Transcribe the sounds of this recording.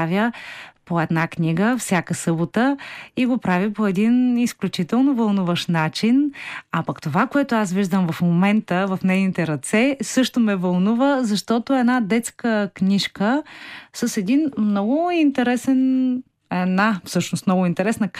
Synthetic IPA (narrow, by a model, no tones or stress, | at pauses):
vʲjəpoɛd̪naknʲiɡəfsʲjakəsɤbot̪əiɡopɾavʲəpoɛd̪inisklʲut͡ʃit̪ɛlˠnovɐlˠnuvəʃnat͡ʃinapɐkt̪ovakoɛt̪oasviʒd̪əmvɐfmomɛnt̪əvɐfnɛjnit̪ɛɾɐt̪sɛsɤʃt̪omɛvɐlˠnuvəzɐʃt̪ɔt̪oɛd̪nad̪ɛt̪skəknʲiʃkəsəsɛd̪inmnɔɡʊint̪ɛɾɛsɛn | ɛdnafsɤʃnost̪mnɔɡʊint̪ɛɾɛsnək